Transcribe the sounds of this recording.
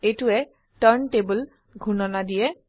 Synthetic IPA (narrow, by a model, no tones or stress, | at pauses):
etʊɛ | təɹntebəl | ɡʱunɔnadijɛ